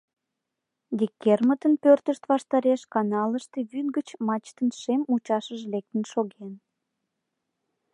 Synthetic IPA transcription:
d̪ʲikʲːermət̪ənpørt̪əʃt̪vɑʃt̪ɑɾeʃkɑnɑləʃt̪eβynɡət͡ɕmɑt͡ɕt̪ənʃemut͡ɕɑʃəʒlek̚t̪ənʃoɣen

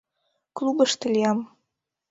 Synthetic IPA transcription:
klˠubə̆ʃt̪əlʲijɑm

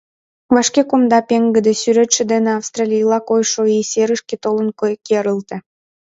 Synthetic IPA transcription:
vɑʃkekumd̪ɑpeŋɡə̆d̪esyɾet̪ʃĕd̪eneɑfst̪rɑlʲijlɑkojʃoiseɾəʃket̪olənkokeɾəlt̪ĕ

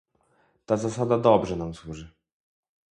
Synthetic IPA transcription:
t̪azasad̪ad̪ɔbʐɛnamswuʐɘ

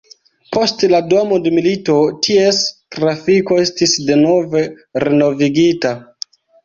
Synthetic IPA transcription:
po̞stladomo̞demilito̞tʰie̞stɾafiko̞e̞stisde̞no̞ve̞ | ɾeno̞viɡita

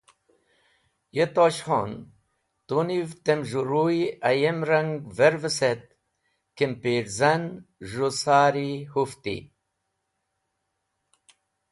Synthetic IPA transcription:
jet̪oɕho̰n | t̪univt̪emʒuɾuiɐjemɾɐŋɡveɾvəset̪̚ | kempeɾzɐnʒusaːɾihuft̪ḭ

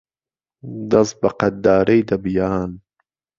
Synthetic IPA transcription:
d̪ɐsbɐqɐt̪̚d̪aːɾejd̪ɐbijaːn

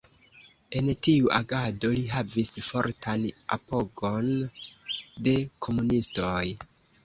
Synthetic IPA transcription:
e̞ntiuʔaɡado̞liɦavisfo̞ɾtʰana̰po̞ɡo̞n | de̞kʰo̞munistoj

